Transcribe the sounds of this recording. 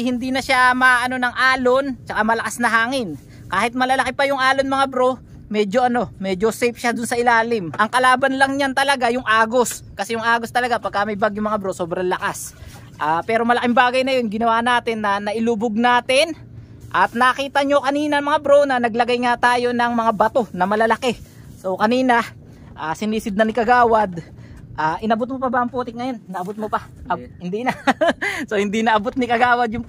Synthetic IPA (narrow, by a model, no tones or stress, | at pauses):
hɪnd̪iːnɐʃamɐʔɐno̞nɐŋʔaːlo̞nt͡ʃɐkamɐlɐkasnɐɦaːŋɪn | kaːhɪt̪̚mɐlɐlɐkɪpɐjʊŋʔaːlo̞nmɐŋabɾo̞ | mɛːd͡ʒo̞ʔɐno̞mɛd͡ʒo̞sɛjpʃad̪ʊnsɐʔɪlaːlɪmʔɐŋkɐlaːbɐnlɐŋɲant̪ɐlɐɡajʊŋʔaːɡo̞skɐsɛjʊŋʔaːɡost̪ɐlɐɡapɐɡ̚kamɐjbaɡjʊmɐŋabɾo̞soːbɾɐlɐkas | ʔaːpɛːɾo̞mɐlɐkɪmbaːɡɐjnɐjo̞nɡɪnɐwaːnaːt̪ɪnːɐnɐʔɪlubʊɡ̚naːt̪ɪn | ʔɐt̪̚nɐkiːt̪ɐɲo̞kɐniːnɐɐŋmɐŋabɾonɐnɐɡ̚lɐɡajŋat̪aːjo̞nɐŋmɐŋabɐt̪o̞nɐmɐlɐlɐkɛ | so̞kɐniːnɐ | ʔaːsɪniːsɪd̪̚nɐnɪkɐɡaːwɐd̪ | ʔaːʔɪnɐbʊt̪̚mopɐbaʔɐŋpuːt̪ɪk̚ŋɐjo̞nnɐʔɐbot̪̚mopɐhɪnd̪inɐ | sohɪnd̪inɐʔɐbot̪̚nɪkɐɡaːwɐd̪jʊŋ